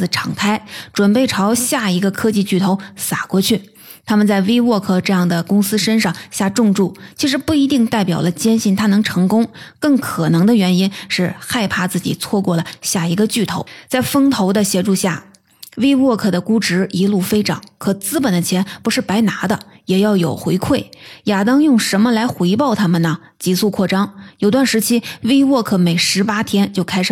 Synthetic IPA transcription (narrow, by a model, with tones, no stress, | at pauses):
ʈ͡ʂʰɑ˨˩ŋt̪ʰa˥ɪʈ͡ʂwə˨˩npe˥˩ɪʈ͡ʂʰɑ˧˥ʊɕja˥˩i˧˥ɡə˧kʰɤ˥t͡ɕi˥˧t͡ɕy˥˩t̪ʰo˧˥ʊsa˨˩kwɔ˥˧t͡ɕʰy˥˩ | t̪ʰa˥mə˨nt͡sa˥˩ɪwe˥ɪwɔ˥˧kʰɤ˥˧ʈ͡ʂɤ˥˧jɑ˥˩ŋd̪ə˩kʊ˥ŋsɹ̩˥ʂə˥nʂɑ˥˧ŋɕja˥˧ʈ͡ʂʊ˥˧ŋʈ͡ʂu˥˩t͡ɕʰi˧˥ʂ̬ɻ̩˧˥pu˥˩i˧˥t̪i˥˧ŋt̪a˥˩ɪpjɑ˨˩ʊlə˦t͡ɕjɛ˥nɕi˥˩nt̪ʰa˥nɤ˧˥ŋʈ͡ʂʰɤ˧˥ŋkʊ˥ŋkɤ˥˩ŋkʰɤ˨˩nɤ˧˥ŋd̪ə˧ɥɛ˧˥ni˥nʂɻ̩˥˧xa˥˧ɪpʰa˥˧t͡sɹ̩˥˩t͡ɕḭ˨˩t͡sʰwɔ˥˧kwɔ˥˩lə˩ɕja˥˩i˧˥ɡə˧t͡ɕy˥˩t̪ʰo˧˥ʊt͡sa˥˩ɪfɤ˥ŋt̪ʰo˧˥ʊd̪ə˧ɕjɛ˧˥ʈ͡ʂu˥˧ɕja˥˩ | we˥ɪwɔ˥˩kʰɤ˥˩d̪ə˦ku˥ʈ͡ʂɻ̩˧˥i˧˥lu˥˩fe˥ɪʈ͡ʂɑ̰˨˩˦ŋkʰɤ˨˩t͡sɹ̩˥pə˨˩nd̪ə˦t͡ɕʰjɛ˧˥npu˧˥ʂɻ̩˥˩pa˧˥ɪna˧˥d̪ə̰˧jɛ˨˩jɑ˥˩ʊjo˨˩ʊxwe˧˥ɪkʰwe˥˩ɪja˨˩t̪ɑ˥ŋjʊ˥˩ŋʂə˧˥nmə˧la˧˥ɪxwe˧˥ɪpɑ˥˩ʊt̪ʰa˥mə˨nə˩ | t͡ɕi˧˥su˥˧kʰwɔ˥˩ʈ͡ʂɑ˥ŋjo˨˩ʊt̪wa˥˩nʂɻ̩˧˥t͡ɕʰi˥we˥ɪwɔ˥˩kʰɤ˥˩me˨˩ɪʂɻ̩˧˥pa˥t̪ʰjɛ˥nt͡ɕjo˥˩ʊkʰa˥ɪʂɻ̩˨˩